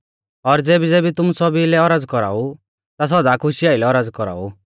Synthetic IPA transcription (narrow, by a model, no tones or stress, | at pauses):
ɔɾd͡zeːbid͡zeːbit̪ʊmusɔbilɛɔɾad͡zkɔɾa̰ːu | t̪as̬ɔd̪aːkʰʊʃiaːɪlɛɔɾad͡zkɔɾa̰ːṵ